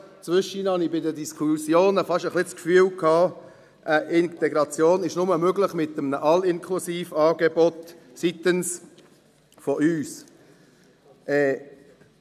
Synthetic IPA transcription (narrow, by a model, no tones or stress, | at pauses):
t͡svʏʃinhɑnibɪdədiskʰusjoːnəfɑʃəχlɪskfyːəlkʰɑː | ʔəʔɪnt̪eɡɾɑt͡sjoːnɪʃnʊməmøɡlɪχmɪt̪ːəmənəʔɑlɪnkʰlusiːfɑːɡebɔt̪ | sit̪əns | fɔʔyːs | ʔɛː